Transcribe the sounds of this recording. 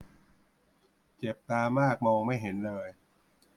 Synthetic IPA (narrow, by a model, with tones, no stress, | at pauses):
t͡ɕe˨˩p̚t̪aː˧maː˥˩k̚mɔː˧ŋma˥˩jɦe˩˦nlɤː˧j